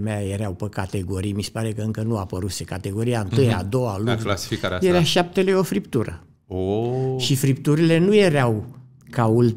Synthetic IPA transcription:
meajeɾeawpəkat̪e̞ɡo̞ɾijmise̥paɾe̞kəɨŋkənuapəɾuse̞kat̪e̞ɡo̞ɾijaɨnt̪ɨja̰d̪o̞waluklasi̥fikaɾjeɾaʃap̚t̪e̞leo̞fɾipt̪uɾə̰ | oʃifɾipt̪uɾile̞nuje̞ɾeaw | kaul

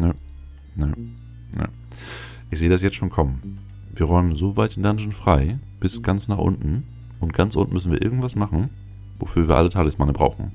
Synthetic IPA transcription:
nə | nə | nə̰ | ʔɪçzeːədas̬jɛt͡stʃoːnkʰɔmən | viːɐʁɔʏmənzoːvaɪtɪndanzn̩fʁ̥aɪb̥ɪsɡ̥ant͡snaːχʔʊ̰ntn̩ | ʔʊnt̚ɡ̥ant͡sʔʊ̰ntn̩mʏsn̩viːɐʔɪɐɡŋ̩tv̥asmaχn̩ | vo̰fyːɐviːɐʔa̰lətʰaːɡəsmanəbʁaʊxn̩

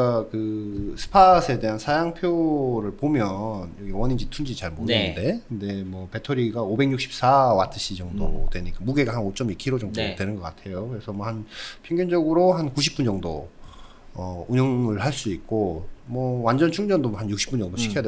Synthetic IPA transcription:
akɯsʰɯ̥pʰasʰe̞de̞ɦansʰajaŋpʰjoɾɯɭpomjʌnjʌɡiwʌɲind͡ʑitʰund͡ʑit͡ɕaɭmonenɯnde̞kɯnde̞mwʌpe̞tʰoɾiɡaobe̞ŋɲjuk̚ɕ͈ʰi̥p̚s͈awatʰɯɕʰid͡ʑʌŋdo̰twe̞ɲik͈amuɡe̞ɡaɦanot͡ɕ͈ʌmiɭkʰiɾod͡ʑʌŋdotwe̞nɯnɡʌk͈atʰe̞jokɯɾe̞sʰʌmwʌhanpʰjʌŋɡjʌnd͡ʑʌɡɯɾoɦankuɕ̬ʰi̥p͈und͡ʑʌŋdo̰ | ʌuɲjʌŋɯɭhaɭs͈uik̚k͈omwʌwand͡ʑʌnt͡ɕʰuŋd͡ʑʌndomhanjuk̚ɕ͈ʰi̥p͈und͡ʑʌŋdoɕʰi̥kʰʌjade

